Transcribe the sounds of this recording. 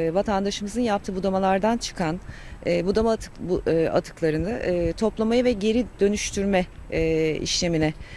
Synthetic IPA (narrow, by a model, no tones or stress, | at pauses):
vat̪ʰand̪aʃɯmɯzɯnjap̚t̪ʰɯːbud̪amalˠaɾd̪ant͡ʃʰɯ̥kʰan | ɛːbud̪amaba̰t̪ʰɯ̥klˠaɾɯnɯʔɛt̪ʰo̞plˠamajɯvɛɟe̞ɾid̪̥ø̞nyʃt̪ʰyɾmɛː | ḭʃlʲe̞minɛ